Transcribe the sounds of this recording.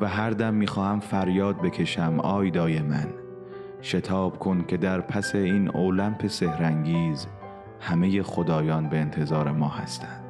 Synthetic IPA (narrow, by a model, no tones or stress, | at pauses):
væɦæɾd̪æmːiːxɒːhæmfæɾjɒːd̪̚be̞kʰe̞ʃæmɒːjd̪ɒːjemæ̰n | ʃet̪ʰɒːb̥kʰo̞nkʲʰe̞d̪æɾpʰæse̞iːnoːlæmpʰe̞se̞hɾæŋɡiːz | hæme̞je̞xod̪ɒːjɒːnbeːnt̪ʰe̞zɒːɾe̞mɒːhæ̰st̪ʰænd̪̥